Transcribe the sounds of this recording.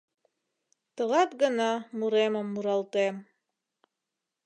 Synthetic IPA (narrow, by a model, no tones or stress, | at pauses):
t̪ɤ̆ʁɑt̪ɡɤ̆nɑmuɾemɤmːuɾɑlˠt̪em